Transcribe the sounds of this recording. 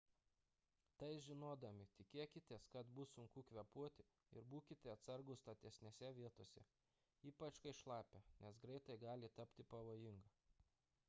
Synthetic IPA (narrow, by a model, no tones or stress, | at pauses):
t̪ɐɪʒʲɪnoːd̪ɐmʲɪt̪ʲɪkʲeːkʲɪt̪ʲeːskɐt̪bʊsʊŋkuːkʋʲɛpuɔt̪ʲɪ | ɪ̰ɾbuːkʲɪt̪ʲɛɐt̪sɐɾɡʊst̪ɐt̪ʲɛsʲnʲeːsʲɛʋʲiɛt̪oːsʲɛ̰ | iːpɐt͡ʃkɐɪʃlˠɑːpʲenʲɛsɡɾɐɪt̪ɐɪɡɑːlʲɪt̪ɐpʲt̪ʲɪpɐʋoːjɪŋɡɐ